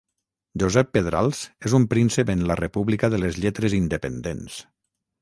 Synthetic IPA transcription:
ʒuzɛpːeðɾa̰lˠz̥ezumpɾinsepənlərepuβlikəðəlezʎɛt̪ɾezind̪əpənd̪ens

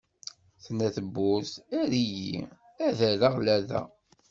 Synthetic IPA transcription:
θnæθəbːʊsæɾijḭ | æðæɾaʁlæðæ̰

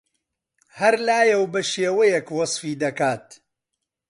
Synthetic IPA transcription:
hɐɾlaːjɛwbɐʃeːwɐjɛkwɑsˤfiːd̪ɐkaːt̪

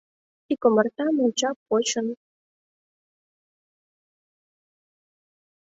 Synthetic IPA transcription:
ikomɤ̆rt̪ɑmunʲt͡ɕɑpot͡ɕɤ̆n

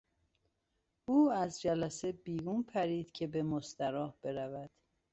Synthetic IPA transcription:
ʔuːæzd͡ʒælæsebiːɡuːnpʰæɾiːd̪̥cʰe̞be̞most̪æɾɒːhb̥e̞ɾævæd̪̥

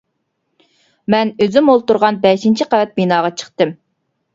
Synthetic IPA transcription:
mɛnøzymolˠt̪uɾʁɑnbɛʃint͡ʃʰiqʰævɛt̪̚binɑːʁɑt͡ʃʰə̥χt̪ɨm

